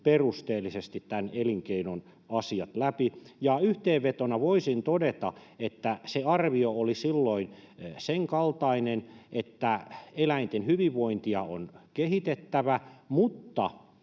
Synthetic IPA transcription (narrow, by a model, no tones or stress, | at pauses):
perust̪eːlːisest̪it̪t̪æneliŋkeinon | ɑsiɑt̪læpijɑyht̪eːʋʋet̪onɑʋoisint̪odet̪ɑ̰et̪ːæseɑrʋioolisilːoinseŋkɑlt̪ɑinenʔet̪ːæelæint̪enhyʋiʋːoint̪iɑonkehit̪et̪ːæʋæmut̪ːɑ̰